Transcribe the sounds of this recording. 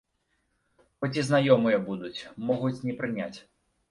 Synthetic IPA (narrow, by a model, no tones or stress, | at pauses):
xɔt͡sʲiznajɔmɨjɐbud̪ut͡sʲmɔɣut͡sʲnʲɛpɾɨnʲat͡sʲ